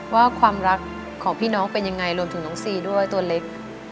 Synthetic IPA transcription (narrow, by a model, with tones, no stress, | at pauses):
waː˥˩kʰwaː˧mɾa˦˥kʰː | ɔː˩˦ŋpʰiː˥˩nɔː˦˥ŋpe˧nja˧ŋːa˧jɾu˧əmt̪ʰɯ˩˦ŋnɔː˩˦ŋsiː˧du˥˩əjt̪u˧ɐle˦˥k̚